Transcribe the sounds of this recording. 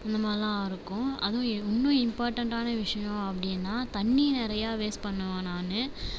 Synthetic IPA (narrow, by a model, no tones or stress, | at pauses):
ɪnd̪ɐmaːðɪlãːɪɾɯkːʊ̃ɐ̰ðʊ̃ʊnːʊ̃ɪmpaːɾʈɐɳʈaːnɐʋɪʂɐjʊ̃ɐpːɐɽɪjnːaːt̪ɐɳːinɪɾɐjaːʋeːspɐɳːɐʋãːnaːnɯ